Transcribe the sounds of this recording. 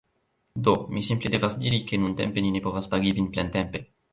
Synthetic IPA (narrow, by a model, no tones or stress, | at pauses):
d̪omisimpled̪evasd̪iɾikenunt̪ɛ̰mpeninepɔvaspaɡivinplɛnt̪ɛmpe